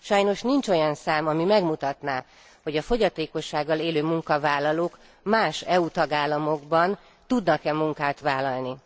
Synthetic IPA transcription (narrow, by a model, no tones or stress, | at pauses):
ʃɒjno̞ʃnint͡ʃo̞jɒnsaːmɒmimɛɡmut̪ɒt̪naː | ho̞ɟɒfo̞ɟɒt̪eːko̞ʃːaːɡːɒleːløːmuŋkɒvaːlːɒloːk | maːʃɛut̪ɒɡaːlːɒmo̞ɡbɒn | t̪ud̪nɒkɛmuŋkaːt̪ʋaːlɒlni